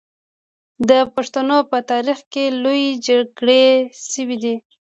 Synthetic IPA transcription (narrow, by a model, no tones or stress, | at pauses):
d̪əpaʂt̪anopət̪ɑɾixkelojed͡ʒaɡɽeʃəwid̪i